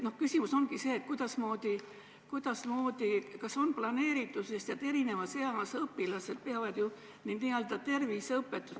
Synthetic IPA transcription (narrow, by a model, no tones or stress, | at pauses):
no̞hkysʲimuso̞nɡ̥ise̞ːt̪̚kujd̪̥ɑsmo̞ːd̪̥i | kujd̪̥ɑsmo̞ːd̪̥ikɑso̞nplɑne̞ːɾit̪ːˑusest̪jɑt̪e̞ɾine̞vɑseɑsɤpːilɑse̞d̪̥̚peɑvɑd̪̥ju | nid̪niːøld̪̥ɑt̪e̞rvisɤpːe̞t̪ːˑus